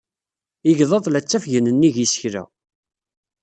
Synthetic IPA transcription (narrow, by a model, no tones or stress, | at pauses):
ɪʝðˤɑðˤlæt͡sːæfʝənənːiʝisə̥çɾæ̰